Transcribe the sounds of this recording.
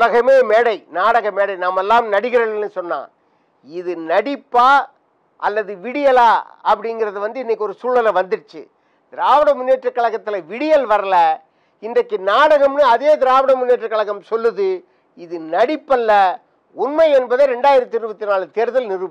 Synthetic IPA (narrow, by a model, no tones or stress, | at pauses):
lɐɣɐmeːmeːɽɐɪnaːɽɐɣɐmːeːɽɐɪnɐmːɛlːaːmnɐɽɪɣɪɾɐlnːɯsɔnːa̰ː | ɪðɯnɐɽɪpːaː | ʔɐ̰lːɐðɯʋɪɽɪjɐlaːɐpːɐɽɪŋɡɪɾɐðɯʋɐnd̪ɯɪnːɛkːɔɾɯsuːɭɐlɐʋɐnd̪ɯɾt͡ʃːɯ̰ | d̪̥ɪɾaːʋɐɽɐmʊnːeːʈrɯkːɐɭɐɣɐt̪ːɪlɐʋɪɽɪjɐlʋɐɾɐlɐ | ɪnd̪ɐkːɯnaːɽɐɣɐmnɯɐðeːd̪ɪɾaːʋɐɽɐmʊnːeːʈrɯkːɐɭɐɣɐmsɔlːɯðɯ | ɪðɯnɐɽɪpːɐlːɐ | ʊnmɐɪɛnbɐðeɾɛɳɖaːjɪɾɐt̪ːɪɾɯbɐt̪ːɪnaːlt̪eːɾðɐlnɪɾɯp